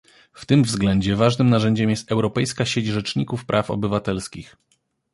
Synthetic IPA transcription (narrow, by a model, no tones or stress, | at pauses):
ft̪ɘmvzɡlɛɲd͡ʑɛvaʐnɘmnaʐɛɲd͡ʑɛmjɛst̪ɛwɾɔpɛjskaɕed͡ʑʐɛt͡ʂɲikufpɾʔafɔ̰bɘvat̪ɛlskʲix